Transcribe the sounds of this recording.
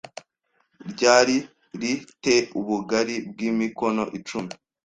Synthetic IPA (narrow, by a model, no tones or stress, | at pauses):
ɾɟaːɾi | ɾite̞ʔuβuɡaɾibɡiːmiko̞no̞ʔit͡ʃumi